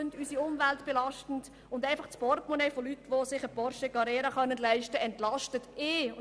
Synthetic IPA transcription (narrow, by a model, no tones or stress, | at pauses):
ndysiʊmvæltb̥elɑʃtn̩d | ʊndæɪfɑχspɔrtmɔnefolytːʋosɪχəpɔɾʃəkɑɾɛːɾɑχœnːəndlæɪʃtəɛntlɑʃtətɪː